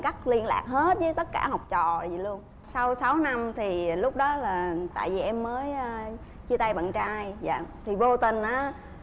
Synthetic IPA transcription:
ka˦˥k̚li˧ənla̰ː˨˩k̚he˦˥t̚zəː˨˦jt̪ə˦˥t̚kaː˧˩ha˨˩wk͡p̚t͡ɕɔ̰˧˨a˨zi˨˩lu˧ən | sa˧wsa˨˦wna˧mt̪ʰi˨˩lʊ˦˥k͡p̚ɗɔ˨˦laː˨˩t̪a̰ː˧˨jvi˨˩ʔɛ˧mːəː˨˦jʔəː˧ | t͡ɕi˧t̪a˧jɓə̰˧˨nt͡ɕaː˧jza̰ː˧˨t̪ʰi˨˩vo˧t̪i˨˩nʔaː˨˦

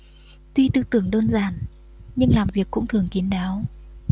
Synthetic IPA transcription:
t̪wi˧t̪ɨ˧t̪ɨ˨˩əŋɗəː˧nzaː˨˩n | ɲɨ˧ŋlaː˨˩mvi˨˩əkːʊ̰˧˥ŋ͡mt̪ʰɨ˨˩əŋki˨˦ənɗaː˨˦w

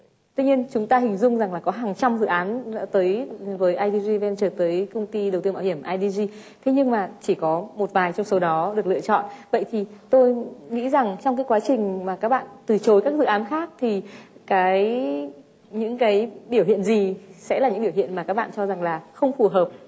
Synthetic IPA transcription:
t̪wi˧ɲi˧ənt͡ɕʊ˨˦ŋ͡mt̪aː˧ɦï˨˩ŋ̟zʊ˧wŋ͡mza˨˩ŋlaː˨˩kɔ˨˦ɦaː˨˩ŋt͡ɕa˧mzɨ̰˧˨ʔaː˨˦nzə̰ː˧˥t̪əː˨˦jvəː˨˦jʔaː˧jɗi˧zi˧vɛ˧nt͡ɕəː˧˩t̪əː˨˦jkə˧ŋ͡mt̪i˧ɗə˨˩wt̪ɨː˧ɓa̰ː˧˩whi˧˩əmʔaː˧jɗi˧zi˧ | t̪ʰe˨˦ɲɨ˧ŋmaː˨˩t͡ɕi˧˩kɔ˨˦mo˨˩t̚vaː˨˩jt͡ɕɔ˧wŋ͡msə˨˦ɗɔ˨˦ɗɨ˨˩ək̚ɨ̰˧˨ət͡ɕɔ̰˧˨nvə̰˧˨jt̪ʰi˨˩t̪o˧jŋḭ˧˥za˨˩ŋt͡ɕɔ˧wŋ͡mkaː˨˦jkwaː˨˦t͡ɕï˨˩ŋ̟maː˨˩kaː˦˥k̚ɓa̰ː˧˨nt̪ɨ˨˩t͡ɕo˨˦jkaː˦˥k̚zɨ̰˧˨ʔaː˨˦nxaː˦˥k̚t̪ʰi˨˩kaː˨˦j | ɲɨ̰˧˥ŋkaː˨˦jɓi˧˩əwhḭ˧˨ənzi˨˩sɛ̰˧˥laː˨˩ɲɨ̰˧˥ɓi˧˩whḭ˧˨ənmaː˨˩kaː˦˥k̚ɓa̰ː˧˨nt͡ɕɔ˧za˨˩ŋlaː˨˩xə˧wŋ͡mfu˨˩ɦəː˨˩p̚

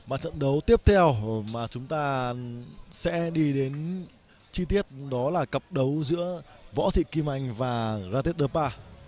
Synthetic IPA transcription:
maː˨˩t͡ɕə̰˧˨nɗə˨˦wt̪i˦˥əp̚t̪ʰɛ˧wmaː˨˩t͡ɕʊ˨˦ŋ͡mt̪aː˧ | sɛ̰˧˥ɗi˧ɗe˨˦n | t͡ɕi˧t̪i˦˥ət̚ɗɔ˨˦laː˨˩kə˨˩p̚ɗə˨˦wzɨ̰˧˥əvɔ̰˧˥t̪ʰḭ˧˨ki˧ma˧˩jŋ̟vaː˨˩zaː˧i˦˥t̚ɗəː˧˩paː˧

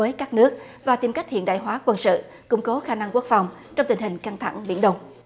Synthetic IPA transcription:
əː˨˦jkaː˦˥k̚nɨ˦˥ək̚ | vaː˨˩t̪i˨˩mka˦˥k̚hḭ˧ənɗa̰ː˧˨jɦwaː˨˦kwə˧nsɨ̰˧˨ | kʊ̰˧˥ŋ͡mko˨˦xaː˧na˧ŋku˦˥ək̚fa˨˩wŋ͡m | t͡ɕɔ˧wŋ͡mt̪i˨˩ŋ̟ɦi˨˩ŋ̟ka˧ŋt̪ʰa̰˧˩ŋɓḭ˧˥ənɗə˧wŋ͡m

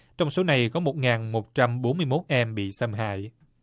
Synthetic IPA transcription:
t͡ɕɔ˧wŋ͡mso˨˦na˨˩jkɔ˨˦mo˨˩t̚ŋaː˨˩nmo˨˩t̚t͡ɕa˧mɓo˨˦nmɨ˧əjmo˦˥t̚ʔɛ˧mɓḭ˧˨sə˧mɦa̰ː˧˨j

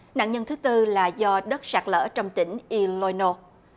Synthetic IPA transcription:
na̰ː˧˨ɲə˧nt̪ɨ˨˦t̪ɨ˧laː˨˩zɔ˧ɗə˦˥t̚saː˨˩k̚lə̰ː˧˥t͡ɕɔ˧wŋ͡mt̪ï˧˩ŋ̟ʔi˧lo˧jno˧

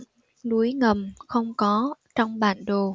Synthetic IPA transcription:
ɗu˨˦jŋə˨˩mxə˧wŋ͡mkɔ˨˦t͡ɕɔ˧wŋ͡mɓa̰ː˧˩nɗo˨˩

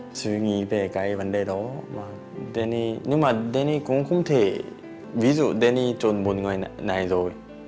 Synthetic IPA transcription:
sʰɯ˧ŋi˧pe˧ka˧jba˨nde˧dɔma | de˧ni˧nɯ˦ma˨de˦ni˧ku˧˦ŋkʰu˦mt̪ʰe˧ | bi˦zu˨de˧ni˧t͡ʃo˨nbu˨nŋɔ˧jna˨jzɔ˨j

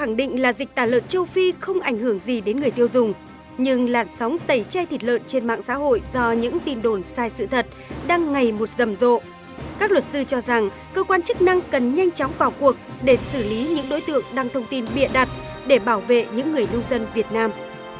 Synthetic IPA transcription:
xa˧˩ŋɗḭ̈˧˨ŋ̟laː˨˩zi˨˩k̚t̪aː˧˩lə̰ː˧˨nt͡ɕə˧wfi˧xə˧wŋ͡mʔa˧˩jŋ̟hɨ˧˩əŋzi˨˩ɗe˨˦nŋɨ˨˩əjt̪i˧əwzʊ˨˩ŋ͡m | ɲɨ˧ŋlaː˨˩nsɔ˨˦wŋ͡mt̪ə˧˩jt͡ɕa˧jt̪ʰi˨˩t̚lə̰ː˧˨nt͡ɕe˧nma̰ː˧˨ŋsa̰ː˧˥ɦo̰˧˨jzɔ˧ɲɨ̰˧˥ŋt̪i˧˩nɗo˧˩nsaː˧jsɨ̰˧˨t̪ʰə˨˩t̚ɗaː˧ŋːa˨˩jmo˨˩t̚zə˨˩mzo̰˧˨ | kaː˦˥k̚lwə˨˩t̚sɨ˧t͡ɕɔ˧za˨˩ŋ | kəː˧kwaː˧nt͡ɕɨ˦˥k̚na˧ŋkə˨˩nɲa˧jŋ̟t͡ɕɔ˨˦wŋ͡mvaː˨˩wku˨˩ək̚ɗe˧˩sɨ˧˩li˨˦ɲɨ̰˧˥ŋɗo˨˦jt̪ɨ̰˧˨əŋɗaː˧ŋt̪ʰə˧wŋ͡mt̪i˧nɓḭ˧˨ənɗa˨˩t̚ɗe˧˩ɓaː˧˩wvḛ˧˨ɲɨ̰˧˥ŋːɨ˨˩əjnə˧wŋ͡mzə˧nvi˨˩ət̚naː˧m

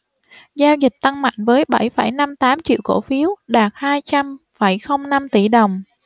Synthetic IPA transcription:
zaː˧wzi˨˩t̪a˧ŋma̰˧˨jŋ̟vəː˨˦jɓa˧˩jfə˧˩jna˧mt̪aː˨˦mt͡ɕḭ˧˨əwko˧˩fi˨˦əwɗaː˨˩t̚haː˧jt͡ɕa˧m | fə˧˩jxə˧wŋ͡mna˧mt̪i˧˩ɗə˨˩wŋ͡m

